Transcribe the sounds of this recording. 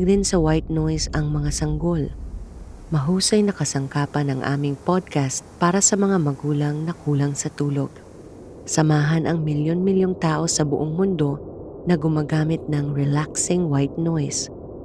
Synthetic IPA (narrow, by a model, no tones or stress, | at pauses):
ɡd̪ɪnsɐwajt̪̚nojsɐŋmɐŋasɐŋɡo̞l | mɐɦuːsɐjnɐkɐsɐŋkaːpɐnɐŋʔa̰ːmɪŋpod̪̚kast̪̚paːɾɐsɐmɐŋamɐɡuːlɐŋnɐkuːlɐŋsɐt̪uːlo̞ɡ̚ | sɐmaːɦɐnʔɐŋmɪljonmɪljoŋt̪aːʔo̞sɐbʊʔoŋmʊnd̪o̞nɐɡʊmaːɡaːmɪt̪̚nɐŋɹɛlaksɪŋwajt̪̚nojs